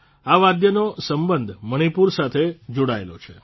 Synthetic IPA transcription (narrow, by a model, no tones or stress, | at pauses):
aʋad̪jənosəmbənd̪ʱməɽ̃ipuɾsat̪ʰed͡ʒoɽaḛlo̰t͡ʃʰe